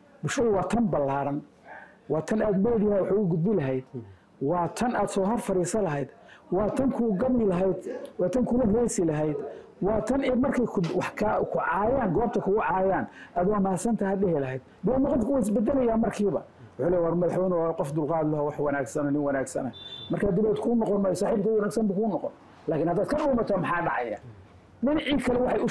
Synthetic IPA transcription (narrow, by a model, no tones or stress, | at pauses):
bʊlʃɐðʊwɑːt̪ʰɐmbɐlːaːɾɐn | wɑːt̪ʰɐnaːd̪mɛd̪jhɛwɑħuʊɡʊd̪̚bɪlɐɦɛjd̪ | wɑːt̪ʰɐnaːd̪sɔːɦɐrfɐɾiːsɐlɐɦɛjd̪ | wɑːt̪ʰɐŋkʰʊɡɐbɪlɐɦɛjd̪wɑːt̪ʰɐŋkʰʊlɐhrɛjsɪlɐɦɛjd̪ | wɑːt̪ʰɐnɛd̪mɐrkʰɛjkʰʊwɑħkʰːkʰʊʕɑːjaːŋɡɔːb̚t̪ʰɐkʰʊɣʊʕɑːjaːnʔaːd̪ʊɐmaːsɐnt̪ʰɐɦɐdɛhɛlɐɦɛjd̪̚bɪːmɔqɔnkʰːhɪs̬bɐd̪ɛlɐjaːmɐrkʰiːβɐ̰ | wʊħuːlɛjwɐrmɐðɑħwɛjnʊqɔfd̪ʊlqɑːd̪lɐɦɔwɑħwɐnaːɡsɐnɔːnɪnwɐnaːɡsɐ̰nɐmɐrkʰaːd̪ɪbɛːd̪kʰʊnɔqɔnmɐːjɔsaːħiːbk̪ʰɐwɐnaːɡsɐmbʊkʰʊʊnɔqɔn | laːkʰɪnhɐd̪aːd̪kʰɐɗʊːmɐt̪ʰamɑħɑːɖɑʕɑja̰ː | ɖɪnɑʕiːkʰɐlɛwɑħɑjʊ